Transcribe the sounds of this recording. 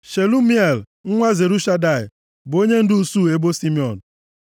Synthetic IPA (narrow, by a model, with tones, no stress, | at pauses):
ʃe˨lu˦mi˦e˨l | ŋ̩˦ŋʷa˦ze˨ɾu˦ʃa˦da˨ɪ˨ | bo˦ɲe˦n̩˦dʊ˦u˦su˦˨e˦bo˦si˦mi˦ɔ˨n̩˨